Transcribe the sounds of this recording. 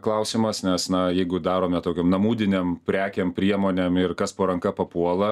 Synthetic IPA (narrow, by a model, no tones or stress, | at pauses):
klˠɐʊsʲiːmɐsnʲɛsnɐjɛɪɡʊd̪ɑːɾoːmʲɛt̪oːkʲoːmnɐmuːd̪ʲɪnʲempʲɾʲæːkʲempʲɾʲiɛmoːnʲemɪrkɐspoːɾɐŋkɐpɐpuɔlˠɐ